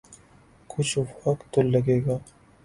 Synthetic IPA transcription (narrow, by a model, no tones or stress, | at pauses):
kʊt͡ʃʰfɐkt̪olɐɡeːɡaː